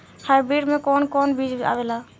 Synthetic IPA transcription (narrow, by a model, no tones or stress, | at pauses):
hajbɾiɽmẽkɔːnkɔnbid͡ʒa̰ːʋela